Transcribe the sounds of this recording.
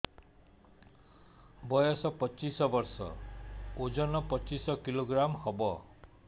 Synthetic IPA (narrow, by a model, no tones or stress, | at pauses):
bɔjɔsɔpɔt͡ʃisɔbɔɾsɔ̰od͡ʒɔnɔpɔt͡ʃisɔkiloɡɾamhɔbɔ